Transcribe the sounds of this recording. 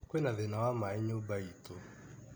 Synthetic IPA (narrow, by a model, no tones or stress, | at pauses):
kwɛnaðɛnawamaɛɲobaito